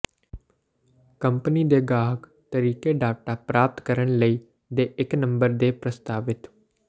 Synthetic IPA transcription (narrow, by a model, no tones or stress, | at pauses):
kəmpniːd̪eːɡaːɦək | t̪əɾiːkeːɖaːʈaːpɾaːp̚t̪kəɾəɳ̃ləiː | d̪eːʔɪknə̃mbəɾd̪eːpɾəst̪aːʋɪt̪